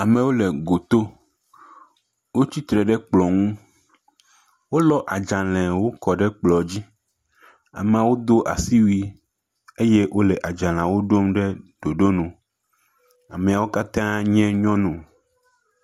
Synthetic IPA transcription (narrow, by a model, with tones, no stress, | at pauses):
a˨mẽ˨wo˦le˨ɡo˨t̪o˦ | wo˦t͡ɕi˦t̪ɾɛ˨ɖɛ˦k͡plɔ˨ŋũ˦ | wo˦lɔ˦ʔa˨d͡ʒã˨lɛ̃˨wo˦kɔ˨ɖɛ˦k͡plɔ˨d͡ʑi˦ | a̰˨mẽ˨a˨wo˦d̪o˦ʔa̰˨si˦wi˦ | e˦je˦ʔwʔo˦lɛ˨ʔa˨d͡ʒã˨lã˨wo˦ɖo˦mɖe˦ɖ̥o˨ɖo˦nũ˨ | a˨mẽ˨a˨wo˦ka˦t̪ã˦ɲɛ̃˦ɲɔ̃˦nũ˨